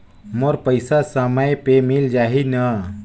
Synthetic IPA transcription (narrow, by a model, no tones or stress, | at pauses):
moɾpəɪsasəməjpemild͡ʒaːɦinə